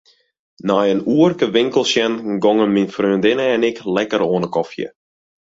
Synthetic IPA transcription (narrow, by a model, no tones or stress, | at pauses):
najənuərkəʋɪŋkəlˠsjɛnɡɔŋənminfrøːndɪnəɛnɪklɛkəɾoːnəkɔfjə̰